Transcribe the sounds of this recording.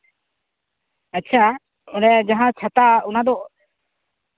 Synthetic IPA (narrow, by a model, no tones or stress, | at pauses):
ətːt͡ʃʰa | ɔnɛjad͡ʒaɦãt͡ʃʰat̪aunad̪ɔʔ